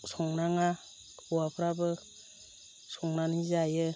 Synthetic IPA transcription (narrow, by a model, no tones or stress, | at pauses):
sɔŋnaŋa | buapʰɾabɯ | sɔŋnanizajɯ